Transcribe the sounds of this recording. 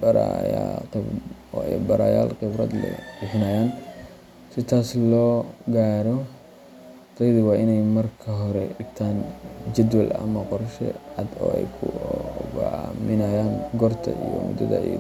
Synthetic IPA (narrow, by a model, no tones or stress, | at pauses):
bɐɾajat̪ɐ | ɔɛ̰bɐɾa̰ːja̰ːlqɪbɾɐ̰d̪lɛ̰bɪħɪnaːjaːn | sɪt̪ʰaːslɔːɡaːɾɔ | t̪ɐjðʊwaːʔɪnɛjmɐrkʰɐɦɔɾɛɖɪɡt̪ʰaːnd͡ʒɐd̪wɐlɐ̰mɐqɔrʃɛ̰ʕɑd̪ɔ̰ːɛ̰jkʰʊɡʕmɪnɐjaːŋɡɔrt̪ʰɐ̰ijɔ̰mʊ̰d̪ɐ̰ðɐ̰